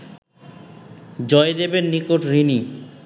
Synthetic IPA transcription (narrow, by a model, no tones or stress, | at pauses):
d͡ʑɔed̪ebenːikoʈɾini